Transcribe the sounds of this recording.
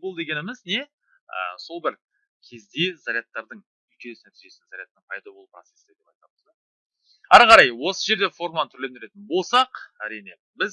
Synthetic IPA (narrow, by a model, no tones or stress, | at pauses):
bolˠd̪e̞kʲe̞nɪmɪzne̞ | ə̰so̞lˠbɪɾ | kʲʰe̞zd̪e̞zaɾʲijɑt̪ːɑɾd̪əɴ | ʏlkʲenesɪnæt̪iʒe̞sɪzaɾijat̪ːəɴpʰɑjd̪ɑbo̞lˠupro̞t̪se̞sɪd̪e̞pɑjt̪ɑbəz | æɾqɑɾɑjwo̞səʒe̞ɾd̪e̞fo̞ɾmanət̪ʰʏɾle̞nd̪ɪɾe̞t̪ɪnbo̞lˠsɑqæɾijne̞ | bɪz